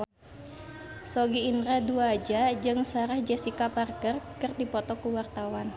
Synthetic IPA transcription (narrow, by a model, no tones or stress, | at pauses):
sɔɡiːnɾɛduad͡ʒad͡ʒɨŋsaɾɛhd͡ʒɛsikaparkərkɨrdipɔt̪ɔkuwart̪awan